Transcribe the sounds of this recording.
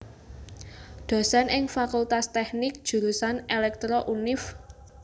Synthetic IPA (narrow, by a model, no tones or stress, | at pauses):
d̪̥ɔ̤sanʔɪŋfakult̪ast̪ɛknɪk̚d̥ʒ̥ṳɾusanelɛk̚t̪ɾɔʔunɪf